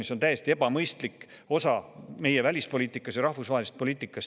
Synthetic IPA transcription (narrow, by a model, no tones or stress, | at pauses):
misot̪æjest̪ie̞bɑmɤjst̪likːˑo̞sɑme̞je̞vælʲispo̞liːt̪ːˑikːˑɑsjɑɾɑhvusvɑːɦelist̪̚poliːt̪ːˑikːˑɑs